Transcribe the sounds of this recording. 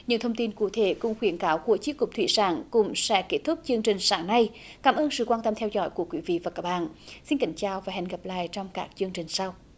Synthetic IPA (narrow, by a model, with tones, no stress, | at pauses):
ɲɨ̰˧˥ŋt̪ʰə˧wŋ͡mt̪i˧nku˧˥t̪ʰe˧˨˩kʊ̰˧˥ŋ͡mxwi˨˦ənkaː˨˦wxu˧˩ət͡ɕi˨˦˥kːʊ˨˩p̚t̪ʰwi˧˥saː˨˦ŋkʊ̰˧˥ŋ͡msɛ̰˧˥ke˦˥t̚t̪ʰʊ˦˥k͡p̚t͡ɕɨ˧əŋt͡ɕï˨˩ŋ̟saː˨˦ŋna˧j | kaː˨˦mʔəː˧nsɨ̰˧˩kwaː˧nt̪ə˧mt̪ʰɛ˧wzɔ̰˧˥˦jku˧˩əkwḭ˨˦vḭ˧˨vaː˨˩kaː˦˥k̚ɓa̰ː˧˨nsi˧nki˨˦ŋ̟t͡ɕaː˨˩wvaː˨˩hɛ̰˨˩ŋ̟ɣə˨˩p̚la̰ː˧˨jt͡ɕɔ˧wŋ͡mkaː˦˥k̚t͡ɕɨ˧əŋt͡ɕï˨˩ŋ̟sa˧w